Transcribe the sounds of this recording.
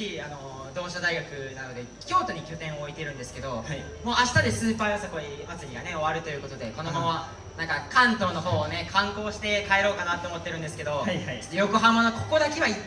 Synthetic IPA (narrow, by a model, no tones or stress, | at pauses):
iano̞ | d̪o̞ːɕad̪aiɡakɯ̟nano̞d̪e̞ | kʲo̞ːt̪o̞ɲ̟ikʲo̞t̪ẽ̞ɰ̃oːit̪e̞ɾɯ̟̃nd̪esɨ̥ke̞d̪o̞ha | mo̞ːʔaɕi̥t̪ad̪e̞sɨːpaːjosako̞imat͡sɨɾʲiɡaneo̞βaɾɯ̟t̪o̞jɯ̟ːko̞t̪o̞d̪e̞ko̞no̞mamaβa | nãŋkakãnt̪o̞ːno̞ɦo̞ːone̞kʰãŋko̞ːɕi̥t̪e̞kae̞ɾo̞ːkanat̪ːoːmo̞t̪ːeɾɯ̟̃nd̪esɨ̥ke̞d̪o̞haajo̞koɦamanokʰo̞ko̞d̪akeβai